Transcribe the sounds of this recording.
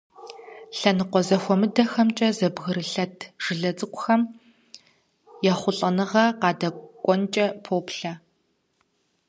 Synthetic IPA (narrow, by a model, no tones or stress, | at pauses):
ɬɐnɨqʷɔzɐxʷɔmɨdɐxɐmt͡ʃʼɐzɐbɣɨɾɨɬɐtʰʒ̥ɨɮɐt͡sʼɨkʷʼʊxɐm | jɛχʷʊɬʼɐnɨʁɐqɑːdɐkʷʼɔnt͡ʃʼɐpʰoːpɬɐ